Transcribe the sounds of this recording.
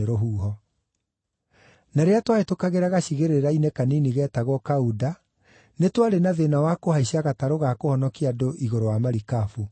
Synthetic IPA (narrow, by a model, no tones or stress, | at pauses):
ɾoɦuːɦɔ | naɾeatwaetokaɣeɾaɣaɕiɣeɾeɾainɛkaniniɣɛtaɣwɔkauda | netwaɾenaðenawakohaiɕaɣataɾoɣakohɔnɔkiadoʔiɣoɾowamaɾikafu